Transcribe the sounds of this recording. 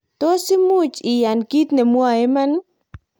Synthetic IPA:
to˦si˦mu˦t͡ʃɪ˨ja˨nki˦t̪ne˨mwa˨e˦ma˦n

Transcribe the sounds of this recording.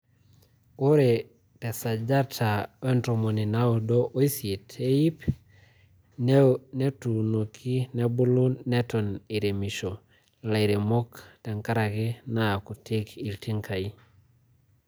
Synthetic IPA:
u˦ɾe˨ | te˨sa˨d͡ʒa˦tʰa˨ntɾo˨mo˨ni˨na˦u˨dɔʔo˦i˦si˨tʰe˦i˦p | nne˦tu˨no˨kʰi˦ne˦bu˦luː˦e˦tɔ˨ni˨ɾe˨mi˨ʃo˨ | la˨i˨ɾe˨mo˦kte˨ŋka˦ɾa˨ki˦na˨ku˨ti˦ki˨ltʰi˦ŋkʰa˨i˦

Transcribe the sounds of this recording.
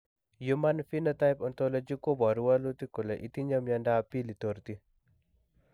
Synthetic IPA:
jumanfi˦nat̪ajpɔnt̪ɔlɔd͡ʒi˦ko˦bɔ˨ɾuwa˦lu˦t̪i˦ku˨le˨ʔi˦t̪i˦ɲa˦mjandapi˦li˨t̪oɾt̪i˦

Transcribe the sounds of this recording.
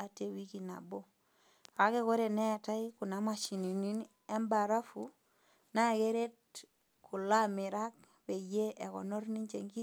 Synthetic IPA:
a˨te˨wi˦ki˨na̰˨bo˦ | ka˨˦ke˦ko˦ɾe˨ne˦a˨ta˦iku˨na˦ma˨ʃi˨ni˨ni˦n | e˦mba˨ɾa˦fu | na˦˨ke˦ɾe˦t̚ | kʰu˨la˦mi˨ɾa˦k̚ | be˨je˦ʔe˨kɔ̰˨no˦ɾni˦ɲt͡ʃe˨ŋɡi˦

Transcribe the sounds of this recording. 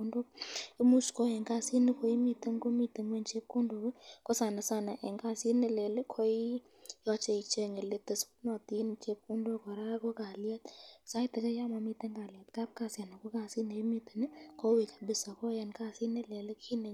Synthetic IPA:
ondo˦ɪ˦mu˦sko˦jɛ˨ŋka˦si˦nɪ˦ko˨i˦mi˨t̪ə˦ŋko˦mi˧t̪e˨ŋwe˦˨nt͡ʃe˦kku˦ndo˨wɪ˦kɔ˦sa˨na˨sa˦na˨ʔɛ˨ŋka˦si˦nɪ˦˨le˨lɪ˦kʰo˦i˦ | jɔ˧t͡ʃe˧i˨t͡ʃe˧ŋɪ˨le˨˦te˨sku˦nɔ˨ti˦nt͡ʃe˦k̚ku˦ndo˦kɔ˨ɾa˦ko˦ka˨lja˦t̪sa˦jtɛ˨kɛ˦ja˦ma˨mi˦t̪e˦ŋka˨lja˨t̪ka˦p̚ka˧sja˨na˨ko˦ka˧si˦ne˨˦mi˦t̪e̥˨nɪ˦ko˦we˨kḁ˨bɪ˨sa˨kɔ˦ja˨nka˦si˦nɛ˦le˨lɪ˦kʰi˦ne˨

